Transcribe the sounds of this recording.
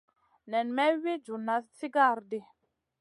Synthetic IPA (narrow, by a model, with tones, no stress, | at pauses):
nɛ˨nmɛ˦wi˦d͡ʒu˨na˨si˦ɡa˦˨ɾdi˨